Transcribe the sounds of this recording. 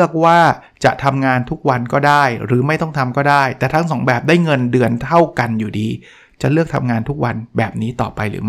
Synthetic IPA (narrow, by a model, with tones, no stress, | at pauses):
ək̚waː˥˩ | t͡ɕa˨˩ʔt̪ʰa˧mŋaː˧nt̪ʰu˦˥k̚wa˧nkɔː˥˩daː˥˩jɾɯː˩˦ma˥˩jt̪ɔ˥˩ŋt̪ʰa˧mkɔː˥˩daː˥˩jt̪ɛː˨˩t̪ʰa˦˥ŋsɔː˩˦ŋbɛː˨˩p̚daː˥˩jŋɤ˧ndɯ˧ənt̪ʰa˥˩wka˧njuː˨˩diː˧ | t͡ɕa˨˩lɯ˥˩ək̚t̪ʰa̰˧mŋaː˧nt̪ʰu˦˥k̚wa˧nbɛː˨˩p̚niː˦˥t̪ɔː˨˩pa˧jɾɯ̰ː˩˦m˥